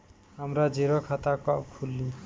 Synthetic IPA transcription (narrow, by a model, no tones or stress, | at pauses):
ɦamɾad͡ʒeɾɔkʰat̪akaʔkʰulːi